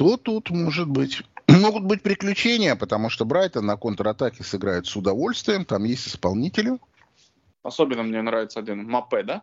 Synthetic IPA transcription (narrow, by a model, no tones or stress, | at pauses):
t̪ot̪ut̪mo̞ʐɨt̪̚bɨtʲmo̞ɡʊt̪̚bɨt̚ʲpɾʲɪklʲʉt͡ɕenʲɪjəpət̪ɐmuʂt̪obɾajt̪ənːɐko̞nt̪əɾɐt̪akʲɪsɨɡɾajɪt̪sʊd̪ɐvo̞lʲst̪vʲɪjəmt̪amjesʲtʲɪspɐlˠnʲitʲɪlʲʊ | ɐsobʲɪnːəmnʲenɾavʲɪt̪səɐdʲinmɐpɛd̪a